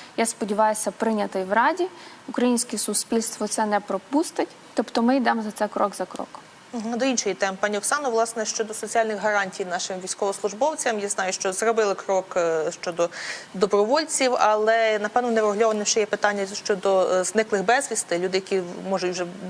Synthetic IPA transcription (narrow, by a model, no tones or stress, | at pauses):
jaspɔdʲiʋɑjʊsʲɐpɾɪnʲɐt̪ɪjwɾɑdʲi | ukɾɐjinʲsʲkʲɛsʊspʲilʲst̪ʋɔt̪sɛnɛpɾɔpust̪ɪtʲ | t̪ɔpt̪ɔmɪjd̪ɛmɔzɐt̪sɛjkɾɔɡzɐkɾɔ̰kɔ̥m̩ | ɦ̩d̪ɔinʃɔjit̪ɛmpɑnʲiɔksɑnɔʋlˠɑsnɛʃt͡ʃɔd̪ɔsɔt͡sʲialʲnɪxɦɐɾɑnʲtʲijnɑʃɪmʋʲijsʲkɔʋɔslˠʊʒbɔwt͡sʲɐmjaznɑjʊʃt͡ʃɔzrɔbɪlˠɪkɾɔkʃt͡ʃɔd̪ɔd̪ɔbɾɔʋɔlʲt͡sʲiwɐlˠɛnɐpɛwnɔnɛʋɔɦlʲɔʋɐnɛwʃt͡ʃɛjɛpɪt̪ɑnʲːɐʃt͡ʃɔd̪ɔznɪklˠɪxbɛzʋʲist̪ɪlʲud̪ɪjɐkʲimɔʒʊtʲwʒɛ